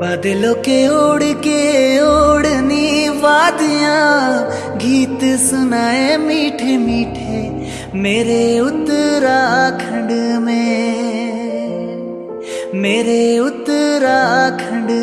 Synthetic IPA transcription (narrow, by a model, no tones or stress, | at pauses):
bɐd̪eloːkeoːɽkeoːɽniʋaːd̪ɪjãː | ɡʱiːt̪sʊnaːemiːʈʰemiːʈʰe | meːɾeʊt̪ɾaːkʰɐ̃ɳɖmẽ | meːɾeʊt̪ɾakʰɐ̃ɳɖ